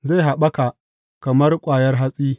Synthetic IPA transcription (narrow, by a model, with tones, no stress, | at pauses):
za˦˨ɦa˨ɓɐ˦ka˨ | kɐ˨mɐ˦rkʷʼaː˨jɐ˦rɦa˦sʼiː˦